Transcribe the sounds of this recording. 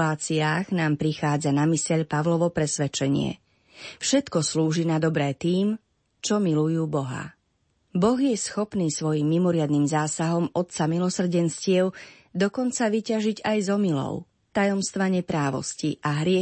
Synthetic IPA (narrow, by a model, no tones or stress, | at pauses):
aːt͡siaːɣnaːmpɾixaːd͡zanamisɛʎpaʋlɔʋɔpɾɛsʋɛt͡ʃɛɲɪɛ̰ | fʃɛt̪kɔsluːʒinad̪ɔbɾɛːt̪iːm | t͡ʃɔmilujuːbɔɦa̰ | bɔɣjɛsxɔpniːsʋɔjimːimɔɾɪad̪niːmzaːsaɦɔmɔt̪t͡samilɔsr̩ɟɛnscɪɛʊ | d̪ɔkɔnt͡saʋicaʒiɟajzɔmilɔ̰ʊ | t̪ajɔmst̪ʋaɲɛpɾaːʋɔ̰sciʔaɦɾɪɛ